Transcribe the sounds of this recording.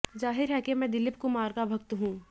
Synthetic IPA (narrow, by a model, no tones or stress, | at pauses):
zaːɦɪɾɦɛkemɛ̃d̪ɪlɪp̚kʊmaːɾɡabʱɐkt̪ɦũː